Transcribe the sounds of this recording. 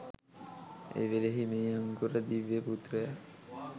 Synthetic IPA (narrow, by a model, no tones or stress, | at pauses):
ḛjʋeleɦimeaŋɡuɾəd̪iʋːeput̪rəja